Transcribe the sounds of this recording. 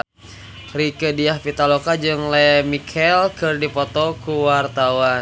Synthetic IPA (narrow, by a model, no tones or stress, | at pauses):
rikədiahpit̪alokad͡ʒɨŋlɛmikʰɛlkɨrdipɔt̪ɔkuwart̪awa